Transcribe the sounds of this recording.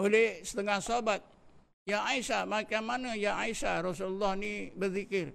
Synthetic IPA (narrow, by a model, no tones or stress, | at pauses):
olɛhsə̥t̪əŋahsabat̪̚ | jaaisamakamːanəjaaisaɾɔsululːahnibərðikɪr